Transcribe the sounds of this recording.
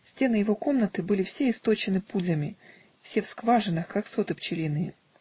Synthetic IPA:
sʲtʲe̞nɨjɪvo̞ko̞mnət̪ɨbɨlʲɪfsʲeɪst̪o̞t͡ɕɪnɨpud̪ʲlʲəmʲɪ | fsʲe̞fskvaʐɨnːɨxkakso̞t̪ɨpt͡ɕɪlʲinɨjɪ

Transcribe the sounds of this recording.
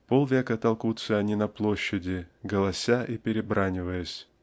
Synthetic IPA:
polˠvʲekət̪ɐlˠkut̪səɐnʲinɐplˠoɕːɪdʲɪɡəlˠɐsʲaʔipʲɪɾʲɪbɾanʲɪvəjəsʲ

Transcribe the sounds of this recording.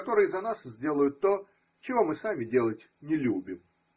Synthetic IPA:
kɐt̪o̞ɾɨjəzɐnaszʲdʲe̞lˠəjʊt̪ːo̞ | t͡ɕɪvo̞mɨsamʲɪdʲe̞lˠətʲ | nʲɪlʲubʲɪm

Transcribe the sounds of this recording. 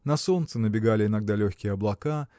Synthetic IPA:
nɐso̞nt̪sɨnəbʲɪɡalʲɪɪnɐɡ̚d̪alʲɵxʲkʲɪjəɐblˠɐka

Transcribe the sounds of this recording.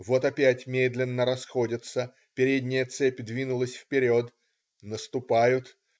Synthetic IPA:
vo̞t̪ɐpʲætʲmʲed̪lʲɪnːəɾɐsxo̞dʲɪt̪sə | pʲɪɾʲedʲnʲɪjət̪sɛpʲd̪vʲinʊlˠəsʲfpʲɪɾʲo̞t̪ | nəst̪ʊpajʊt̪

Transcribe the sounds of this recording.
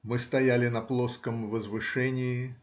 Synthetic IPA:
mɨst̪ɐjælʲɪnɐplˠoskəmvəzvɨʂɛnʲɪɪ

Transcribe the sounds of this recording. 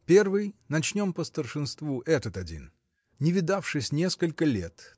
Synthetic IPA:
pʲe̞rvɨjnɐt͡ɕnʲo̞mpəst̪ərʂɨnst̪vuʔɛt̪ət̪ɐdʲḭn | nʲɪvʲɪd̪afʂɨsʲnʲeskəlʲkəlʲḛt̪

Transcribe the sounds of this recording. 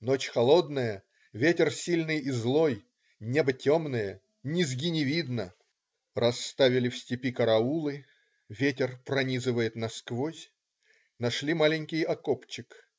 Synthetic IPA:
not͡ɕxɐlˠo̞d̪nəjə | vʲetʲɪrsʲilʲnɨjizlˠo̞j | nʲebətʲo̞mnɨjə | nʲɪzɡʲɪnʲɪvʲid̪nə | rʔɐst̪avʲɪlʲɪfsʲtʲɪpʲikəɾɐulˠɨ | vʲetʲɪrpɾɐnʲizɨvəjɪt̪nɐskvosʲ | nɐʂlʲimalʲɪnʲkʲɪjɐkopt͡ɕːɪk

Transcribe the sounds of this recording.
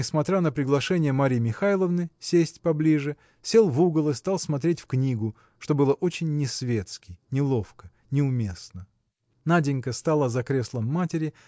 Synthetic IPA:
ɪsmɐt̪ɾʲanəpɾʲɪɡlˠɐʂɛnʲɪjəmɐɾʲimʲɪxajlˠəvnɨsʲesʲtʲpɐblʲiʐɨ | sʲe̞lˠvuɡəlˠɨst̪ɑlˠsmɐt̪ɾʲetʲfknʲiɡʊ | ʂt̪o̞bɨlˠəʔo̞t͡ɕɪnʲːɪsvʲe̞t̪skʲɪnʲɪlˠofkə | nʲɪʊmʲe̞snə | nadʲɪnʲkəst̪alˠəzɐkɾʲe̞slˠəmːatʲɪɾʲɪ

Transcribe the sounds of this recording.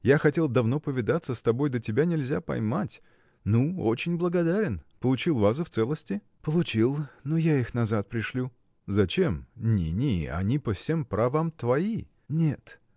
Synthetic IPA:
jaxɐtʲe̞lˠd̪ɐvno̞pəvʲɪd̪at̪səst̪ɐbo̞jd̪ətʲɪbʲanʲɪlʲzʲapɐ̰jmatʲ | nuo̞̰t͡ɕɪnʲblˠəɡɐd̪aɾʲɪnpəlˠʊt͡ɕilˠvas̬ɨft̪sɛlˠəsʲtʲɪ | pəlˠʊt͡ɕilˠnojaixnɐzat̪̚pɾʲɪʂlʲu | zɐt͡ɕe̞mnʲḭnʲiɐ̰nʲipəfsʲe̞mpɾɐvamt̪vɐi | nʲet̪

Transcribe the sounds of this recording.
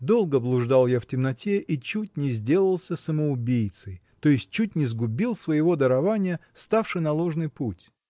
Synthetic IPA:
d̪o̞lˠɡəblˠʊʐd̪alˠjaftʲɪmnɐtʲeʔit͡ɕut̚ʲnʲɪzʲdʲe̞lˠəlˠsʲəsəməʊbʲijt̪səjt̪o̞jɪsʲt̚ʲt͡ɕːut̚ʲnʲɪzɡʊbʲilˠsvəjɪvo̞d̪əɾɐvanʲɪjəst̪afʂɨjnɐlˠo̞ʐnɨjputʲ

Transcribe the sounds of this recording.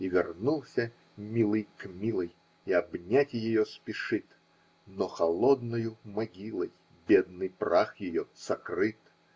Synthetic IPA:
ivʲɪrnulˠsʲə | mʲilˠɨjkmʲilˠəj | iɐbnʲatʲɪjɪjospʲɪʂɨt̪ | noxɐlˠod̪nɐjʊmɐɡʲilˠəj | bʲed̪nɨjpraxjɪjosɐkrɨt̪

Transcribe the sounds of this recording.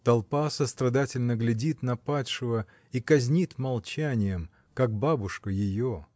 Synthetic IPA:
t̪ɐlˠpasəst̪ɾɐd̪atʲɪlʲnəɡlʲɪdʲit̪nɐpatʲʂɨvə | ikɐzʲnʲit̪mɐlˠt͡ɕænʲɪjəm | kak̚babʊʂkəjɪjo

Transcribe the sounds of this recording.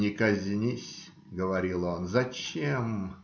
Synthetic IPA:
nʲɪkɐzʲnʲisʲ | ɡəvɐɾʲilˠonzɐt͡ɕem

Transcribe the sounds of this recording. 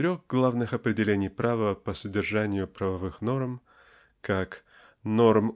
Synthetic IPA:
ɾʲoɣɡlˠavnɨxɐpɾʲɪdʲɪlʲenʲɪjpɾavəpəsədʲɪrʐanʲɪjʊpɾəvɐvɨxno̞rm | kak | no̞rm

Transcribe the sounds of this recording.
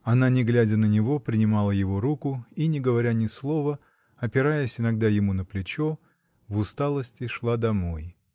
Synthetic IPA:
ɐnanʲɪɡlʲædʲənənʲɪvo̞pɾʲɪnʲɪmɑlˠəjɪvo̞ɾukʊinʲɪɡəvɐɾʲanʲɪslˠo̞və | ɐpʲɪɾajəsʲɪnɐɡd̪ajɪmunəplʲɪt͡ɕo̞ | vʊst̪alˠəsʲtʲɪʂlˠad̪ɐmo̞j

